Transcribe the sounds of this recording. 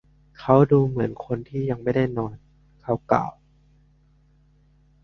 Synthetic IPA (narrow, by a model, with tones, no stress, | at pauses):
kʰa˦˥wduː˧mɯ˩˦ənkʰo˧nt̪ʰiː˥˩ja˧ŋma˥˩jda˥˩jnɔː˧n | kʰa˦˥wkla̰ː˨˩w